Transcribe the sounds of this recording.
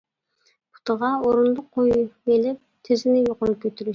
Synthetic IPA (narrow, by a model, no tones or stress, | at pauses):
pʰʊ̥t̪əʁɑoɾʊnd̪ˠʊqʰːojelɪp̚t̪ʰɪzɪnɪjoqojup̚kʲʰøt̪yɾy